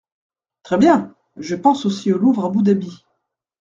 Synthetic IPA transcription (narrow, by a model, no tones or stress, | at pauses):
t̪χɛbjɛ̃ | ʒəpɑ̃sosioluvʁabud̪abi